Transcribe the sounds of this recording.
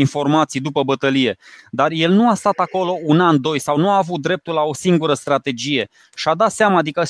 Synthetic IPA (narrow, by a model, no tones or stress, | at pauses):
info̞rmat̪sijd̪upəbət̪əlije̞d̪arje̞lnuast̪at̪ako̞lo̞unand̪o̞jsawnuaːvut̪̚d̪ɾe̞p̚t̪ulao̞siŋɡuɾəst̪ɾat̪e̞d͡ʒije̞ | ʃad̪at̪seamaːd̪ikə